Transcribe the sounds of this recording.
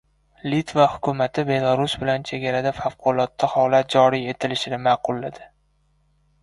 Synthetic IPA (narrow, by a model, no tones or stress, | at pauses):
lit̪vahʊ̥kʰʲʊmat̪ʰɪbe̞lˠaɾʊsbɪlant͡ʃʰe̞ɡʲaɾad̪afafqʰʊlˠɒt̪ːahɒlat̪̚d͡ʒɒɾije̞t̪ʰɪlɪʃɪnɪmaːqʊlːad̪ɪ